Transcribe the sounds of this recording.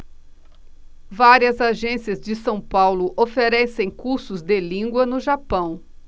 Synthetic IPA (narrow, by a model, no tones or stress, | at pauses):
vaɾiɐzaʒẽsiɐzd͡ʒɪsɐ̃w̃pawlʊʔofeɾɛsẽj̃kuɾsʊzd̪elĩŋɡwɐnʊʒapɐ̃w̃